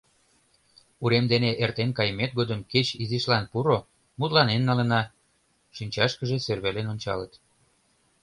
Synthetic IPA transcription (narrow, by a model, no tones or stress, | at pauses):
uɾemd̪eneʔert̪enkɑjəmet̪̚ɡod̪əmket͡ɕiziʃlɑnpuɾo | mut̪lɑnenːɑlənɑ | ʃinʲt͡ɕɑʃkəʒeserβelenonʲt͡ɕɑ̰lət̪